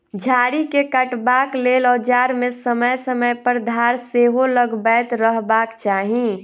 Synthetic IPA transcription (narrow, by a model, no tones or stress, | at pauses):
d͡ʒʱaːɾikekəʈbaːkleːlɔːɾd͡ʒaːɾmẽsəməjsəməjpəɾd̪ʱaːɾseːɦoləɡbɛːt̪ɾəɦbaːkt͡ʃaːɦĩ